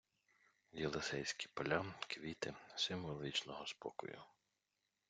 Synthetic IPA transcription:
jɛlˠesɛjsʲkʲipɐlʲakʋʲit̪ɪsɪmʋɔlˠʲit͡ʃnɔɦɔspɔ̰kʊ̰jʊ̰

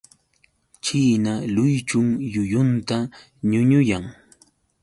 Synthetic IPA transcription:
t͡ʃiːnalʊjt͡ʃʊŋjʊjʊnt̪a | ɲʊɲʊjaŋ

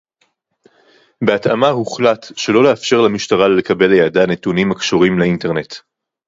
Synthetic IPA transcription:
be̞ata̰mahuχlatʃe̞lo̞leafʃe̞ʁlamiʃtaʁalelekabe̞ljadanetunimakʃoʁimleinte̞ʁne̞t̪

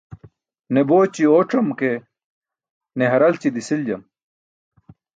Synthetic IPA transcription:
neboːt͡ɕioːʈ͡ʂɐmke | neɦɐɾɐlt͡ɕid̪isild͡ʑɐm

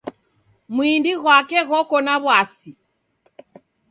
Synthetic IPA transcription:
muindiɣwakɛɣɔkɔnaβwasi

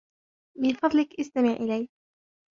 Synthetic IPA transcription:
mɪnfɑðˤlɪkʔast̪amɪʕʔɪlaj

